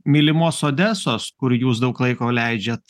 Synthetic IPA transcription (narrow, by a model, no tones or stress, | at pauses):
mʲilʲɪmoːsoːd̪ʲæːsoːskʊɾjuːs̬d̪ɐʊklˠɐɪkoːlʲɛɪd͡ʒʲeːt̪